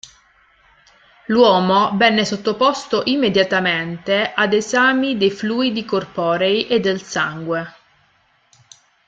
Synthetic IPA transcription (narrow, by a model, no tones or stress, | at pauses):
lwɔːmovɛnːesot̪ːopost̪oʔimːed̪jat̪ament̪eʔad̪ezaːmid̪ejfluːid̪ikorpɔːɾejʔed̪ːelsaŋɡwe